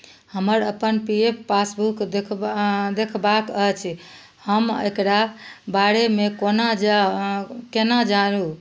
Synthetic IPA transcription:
həməɾəpənpiepʰːasbukd̪ekʰd̪ekʰbakət͡ʃʰ | həmḛkɾabaɾemekonad͡ʒ | kenad͡ʒaɾu

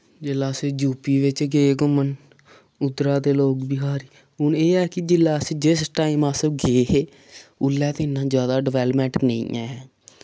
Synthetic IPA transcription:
d͡ʒɪlaːseːd͡ʒuːpiːʋɪt͡ʃɡeːɡʊmən | ʊd̪ɾaːd̪eːloːkbɪɦaːɾiː | ɦʊneːɛːkɪd͡ʒɪlːaːseːd͡ʒɪsʈaːiːmaːsəbɡeːɦeː | ʊlːɛːt̪ɪnːãːzjaːd̪aːɖɪʋɛːlmɛ̃ːɳʈnə̰ḭ̃ːɛː

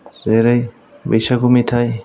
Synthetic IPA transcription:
zeɾaj | bə̰jsakumitʰaj

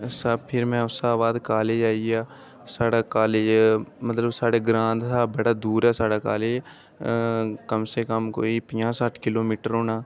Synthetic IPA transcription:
sapʰɪɾmɛ̃ɐsaːbaːd̪kaːled͡ʒaːiaː | saːɽakaːlemət̪ləbsaːɽeɡɾãːnd̪t̪aːbəɽad̪uːɾɛsaːɽakaːle | kəmsekəmko̰ːipɪjãsaːʈʰkɪloːmiːʈəɾɦoːnaː

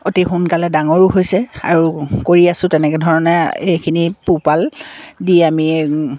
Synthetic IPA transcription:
otixunkalɛdaŋɔɹuɦojsɛa̰ɹukoɹiasʊ̃tɛnɛkɛdʱɔɹɔnɛejkʰinipupaldiami

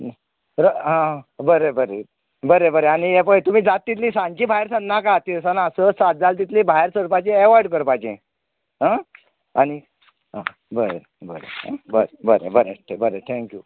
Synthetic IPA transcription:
ɾəɦãbəɾebəɾe | bəɾebəɾeañijepət̪um̤iːd͡zat̪ːit̪liːsãɲt͡ɕiːbʱaeɾsə̃nnakat̪isanasəsat̪̚d͡zalt̪̬it̪liːbʱajɾsəɾpat͡ɕẽeʋaɾɖkəɾpajt͡ɕḛ̃ | ɦã | añi | ɦã̰ | bəɾe | bəɾḛɦã̰bəɾebəɾḛbəɾeʈʰebəɾet̪ʰɛ̃ŋkju

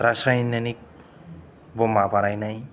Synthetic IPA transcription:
ɾasajnʌnik̚ | bomapaɾajnaj

